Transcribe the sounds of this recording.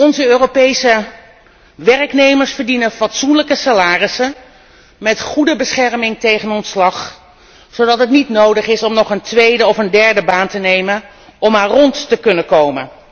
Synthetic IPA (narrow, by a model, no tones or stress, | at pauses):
ɔnzəøːropejsə | ʋɛrəknejməɹsfəɹdinənfɑtsunləkəsalaːrɪsən | mɛtχudəbəsχɛɹmɪŋtejχənɔntslɑχ | sowdɑtətnitnowdəχɪsɔmnɔχəntʋejdəɔfəndɛɹdəbaːntənejmən | ɔmaːrɔntːəkɵnəkowmən